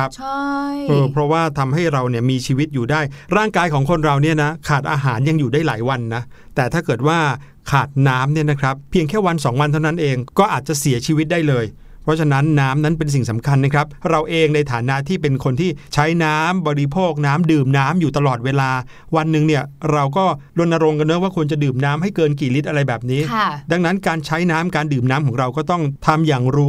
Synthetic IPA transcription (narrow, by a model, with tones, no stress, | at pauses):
a˦˥pʰa˥ʔɤː˧pʰɾɔ˦˥waː˥˩t̪ʰa˧mha˥˩jɾa˧wni˥˩ɐmiː˧t͡ɕʰiː˧wi˦˥t̪̚juː˨˩daː˥˩jɾaː˥˩ŋkaː˧jkʰɔː˩˦ŋkʰo˧nɾa˧wni˥˩ɐna˦˥kʰaː˨˩t̪̚ʔaː˧ɦaː˩˦nja˧ŋjuː˨˩daː˥˩jlaː˩˦jwa˧nːa˦˥ | t̪ɛː˨˩t̪ʰaː˥˩kɤː˨˩t̪̚waː˥˩ | kʰaː˨˩t̪̚naː˦˥mni˥˩ɐna˦˥kʰɾa˦˥pʰːi˧əŋkʰɛː˥˩wa˧nsɔː˩˦ŋwa˧nt̪ʰa˥˩˨na˦˥nʔeː˧ŋkɔː˥˩ʔaː˨˩t̪̚t͡ɕa˨˩si˨˩˦ɐt͡ɕʰiː˧wi˦˥t̪̚daː˥˩jlɤː˧j | pʰɾɔ˦˥t͡ɕʰa˧na˦˥nːaː˦˥mna˦˥npe˧ns̬i˨˩ŋsa˩˦mkʰa˧nːa˦˥kʰɾa˦˥p̚ɾa˧wʔeː˧ŋna˧jt̪ʰaː˩˦nːa˦˥t̪ʰiː˥˩pe˧nkʰo˧nt̪ʰiː˥˩t͡ɕʰa˦˥jnaː˦˥mbɔː˧ɾi˦˥pʰoː˥˩k̚naː˦˥mdɯː˨˩mnaː˦˥mjuː˨˩t̪a˧lɔː˨˩t̪̚weː˧laː˧ | wa˧nːɯ˧ŋni˥˩ɐɾa˧wk̬ɔː˥˩lu˧nʔa˧ɾo˧ŋka˧nːɯ˦˥˩waː˥˩kʰu˧ənt͡ɕa˨˩dɯː˨˩mnaː˦˥mhɦa˥˩jkɤː˧nkiː˨˩li˦˥t̪̚ʔa˧ɾa˧jbɛː˨˩p̚niː˦˥da˧ŋna˦˥nkaː˧nt͡ɕʰa˦˥jnaː˦˥mkaː˧ndɯː˨˩mnaː˦˥mkʰɔː˩˦ŋɾa˧wkɔː˥˩t̪ɔ˥˩ŋt̪ʰa˧mjaː˨˩ŋɾuː˦˥